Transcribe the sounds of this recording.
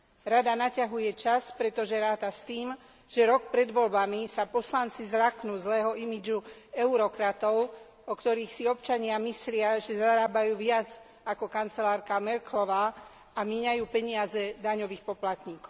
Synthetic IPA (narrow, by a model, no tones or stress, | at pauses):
ɾad̪anacaɦujɛt͡ʃaspɾɛt̪ɔʒɛɾaːt̪ast̪iːm | ʒ̥ɛɾɔk̚pɾɛd̪ʋɔlbamisapɔslant͡sizɾaknuːzlɛːɦɔimid͡ʒuɛuɾɔkɾat̪ɔʊ | ɔkt̪ɔɾiːxsiɔpt͡ʃaɲɪamislɪaʒɛzaɾaːbajuːʋɪad͡z | akɔkant͡sɛlaːɾkamɛɾklɔʋaː | amɛɲajuːpɛɲɪazɛd̪aɲɔʋiːxpɔplat̪ɲiːkɔʊ